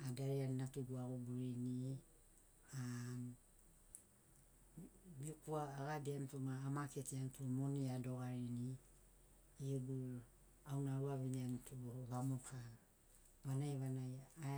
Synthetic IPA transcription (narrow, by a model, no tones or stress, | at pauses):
adaɾeaninatuɡuaɡuɡuɾini | a | biukuaːɡabiamtumaːmaketiantʰumoniado̞ɡaɾini | uɡuɾ | awnaɾuaβiɲiantʰuβamokʰa | βanajβanaja